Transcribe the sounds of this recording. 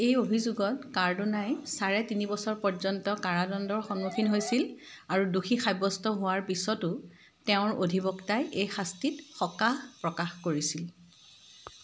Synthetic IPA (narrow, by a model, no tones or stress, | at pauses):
ejobʱizuɡɔtkaɹdunajsaɹɛtinibɔsɔɹpɔɹzɔntɔkaɹadɔndɔɹxɔnmukʰinɦojsil | aɹuduxʰixajbɔstɔɦʊwaɹpisɔtʊ | teʊ̃ɹodʱibɔktajʔejxastitxɔkaxpɹɔkaxkoɹisil